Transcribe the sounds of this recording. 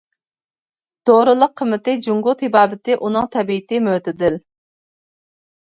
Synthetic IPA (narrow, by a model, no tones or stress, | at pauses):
d̪̥oɾɨlˠəqʰːəmːɪt̪ɪd͡ʒuŋɡʊt̪hɪbɑːbɪt̪ɪʔunɨŋt̪ʰɛbiːt̪ɪmøt̪ɪd̪ɪl